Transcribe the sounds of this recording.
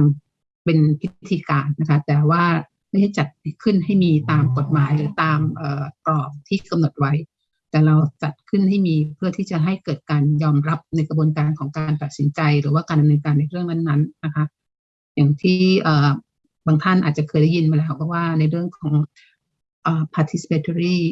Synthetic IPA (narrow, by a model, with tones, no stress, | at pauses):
m | pe˧npʰi˦t̪ʰːiː˧kaː˧nːa˦˥kʰa˦˥t̪ɛː˨˩waː˥˩ | ma˥˩jha˥˩jt͡ɕa˨˩t̪̚pi˥kʰɯ˥˩nɦa˥˩jmiː˧t̪aː˧mko˨˩t̪̚maː˨˩˦jɾɯː˩˦t̪aː˧mʔɤː˨˩p̪ɾɔː˨˩k̚t̪ʰiː˥˩ka˧mno˨˩t̪̚wa˦˥j | t̪ɛː˨˩ɾa˧wt͡ɕa˨˩t̪̚kʰɯ˥˩nɦa˥˩jmiː˧pʰɯ˥˩ɐt̪ʰiː˥˩t͡ɕa˨˩ɦa˥˩jkɤː˨˩t̪̚kaː˧njɔː˧mɾa˦˥p̚na˧jkɾbuː˧nkaː˧nkʰɔː˩˦ŋkaː˧npa˨˩t̪̚si˩˦nt͡ɕa˧jɾɯː˩˦waː˥˩kaː˧nda˧mnɤː˧nkaː˧nːa˧jɾɯ˥˩əŋna˦˥˩nːa˦˥nːa˦˥kʰa˦˥ʔ | ja˨˩ŋt̪ʰiː˥˩ʔəː˨˩ | baː˧ŋt̪ʰa˥˩nʔaː˨˩t̪̚t͡ɕa˨˩kʰɤː˧jda˥˩ji˧nmaː˧lɛː˦˥wpʰɔː˧˥waː˥˩na˧jɾɯ˥˩əŋkʰɔː˩˦ŋ | ʔəː˨˩pʰaː˧t̪ʰi˧˦˥si̥˨˧pʰeː˧t̪ʰɾiː˥˩